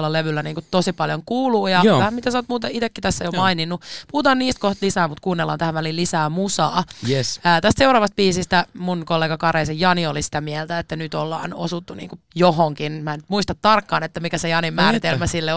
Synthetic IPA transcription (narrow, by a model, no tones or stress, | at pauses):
lːɑleʋylːæniːŋkutt̪osipɑljoŋkuːluːjɑʋæhæmmit̪æsoːt̪muːt̪ɑit̪ekːit̪æsːæjomɑininːupuhut̪ɑːnniːst̪̚koht̪lisæːmut̪kuːnːelːɑ̰nt̪æhæʋʋælilisæːmusɑːjəːt̪æst̪seuɾɑːʋɑst̪̚biːsist̪æmunkolːeːɡɑkɑreisejjɑniolisi̥t̪æmielt̪æet̪ːænyt̪olːɑ̰ːno̰sut̪ːunḭːŋku | joɦoŋkinmæːnyt̪muist̪ɑt̪tɑrkːɑːnet̪ːæmikæsejɑnimmæːɾit̪elmæsilːe